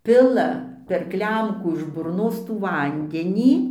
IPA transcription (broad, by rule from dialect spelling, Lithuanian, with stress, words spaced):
ˈpʲɪlˠɐ pʲɛr ˈklʲɛmkuː ɪʃ bʊrˈnoːs tuː ˈʋɐnʲdʲɛnʲiː